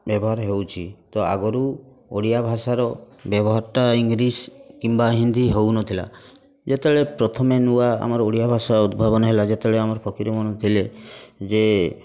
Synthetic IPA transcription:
bjɔbɔɦaɾɦewt͡ʃʰit̪ɔa̰ɡɔɾu | oɽijabʱasaɾɔ | bjɔbɔɦaɾʈaiŋɡɾiskimbaɦind̪iɦewnɔt̪ʰila̰ | d͡ʒet̪eɭepɾɔt̪ʰɔmenuaa̰mɔɾɔoɽijabʱasaɾud̪̚bʱabɔnɔɦelad͡ʒet̪eɭeamɔɾɔpʰɔkiɾɔmɔnɔt̪ʰiled͡ʒe

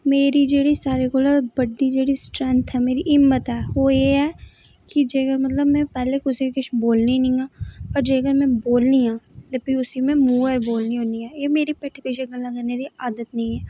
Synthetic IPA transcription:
meːɾiːd͡ʒeːɽiːsaːɾeːkoːlabəɖiːd͡ʒeːɽiːsʈɾɛ̃nt̪ʰɛːmeːɾḭːʔɪmːət̪ɛːoːeːɛː | kɪd͡ʒeːkəɾmət̪ləbmɛ̃ːpɛːleːkʊsiikʊʃʰboːlniːnĩːãːpəɾd͡ʒeːkəɾmɛ̃ːboːlniːãːd̪epiːʊsiːmɛ̃ːmuːəɾboːlniːɦõːniːɛːeːmeːɾiːpeːʈʰːpeʃeɡəlːãːkəɾneːd̪iːaːd̪ət̪nəĩːɛː

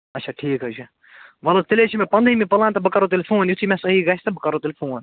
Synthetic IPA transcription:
ɐtt͡ʃʰaʈʰiːkɦɐt͡ʃʰi | ʋɐlɐt̪ɪlet͡ʃʰimẽpɐnd̪ʱimipɐlãːnt̪ɐbəkaɾot̪̬elʲfuːnjut̪ʰimẽsɐɦiːɡaːsʲt̪ɐbəkɐɾot̪elfoːn

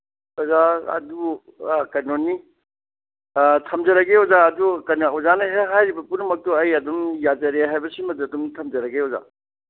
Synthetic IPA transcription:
ɔzaɐ̰du | kɐnonːi | tʰɐmzɐɾɐɡeɔzaɐdukɐnɐwzanɐɦeɦajɾibɐpunɐmɐk̚tɔɐjɐdumjad͡ʒɐɾeɦajbɐsimɐduɐdumtʰɐmd͡ʒɐɾɐɡeɔza̰

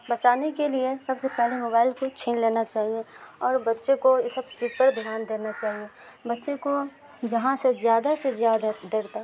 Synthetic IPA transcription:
bɐt͡ʃaːnekeliesɐbsepɛɦlemoːbaːɪlkot͡ʃʰẽːnleːnat͡ʃaːɦieɔːɾbɐtːʃekojsɐb̚t͡ʃiːzpɐɾd̪ʱijaːnd̪eːnat͡ʃaːɦie | bɐtːʃeko | d͡ʒɐɦãsezjaːd̪asezjaːd̪ad̪eːɾt̪aː

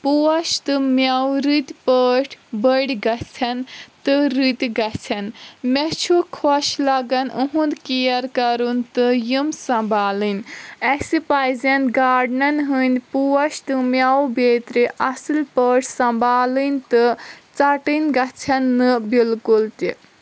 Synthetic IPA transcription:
puɐʃt̪ɨmʲjawɾɨt̪ʲpəːʈʰbəɽʲɡɐt͡sʰɐnt̪ɨɾɨt̪ʲɡɐt͡sʰɐnmɛt͡ʃʰukʰɔʃlɐɡɐnʔuɦũnd̪kijɐɾkɐɾunt̪ɨjimsɐmbʱaːlɨnʲɐksipajzɐnɡaːɖnɐnɦɨnʲpuwɐʃt̪ɨmʲjawbeːt̪ɾiʔɐsɨlpəːʈʰʲsɐmbʱaːlɨnʲt̪ɨt͡sɐʈɨnʲɡɐt͡sʰɐnːɨbilkult̪i

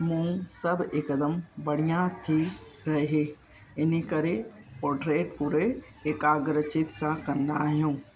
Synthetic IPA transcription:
mũsəbekəd̪əmbəɽ̤ijãt̪ʰi | ɾɐɦeɦe | ɪnikəɾepɔːɖɾeːʈ̚puɾeː | kaːɡɾət͡ʃɪt̪sãkɐ̃nd̪aːɦijũː

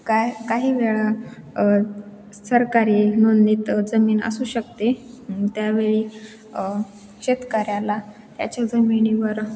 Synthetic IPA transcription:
kakaɦiːʋeɭa | səɾkaɾiːnond̪iːt̪d͡zəmiːnə̰suːɕəkt̪e | t̪jaʋeɭiː | ɕet̪kaɾjãla | t̪ja̰t͡ɕjad͡zəmiɳiʋəɾ

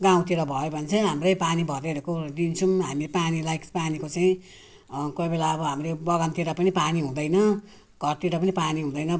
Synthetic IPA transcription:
ɡaw̃t̪iɾʌbʱʌjobʱʌnt͡sʰʌɦamrʌjpanibʱʌɾeɾekod̪int͡sʰumɦamipanilajkpanikot͡saĩ | kobelaːbʌɦamrebʌɡant̪iɾʌpʌnipaniɦũd̪ʌjnʌ | ɡʱʌrt̪iɾʌpʌnipaniɦũd̪ʌjnʌ

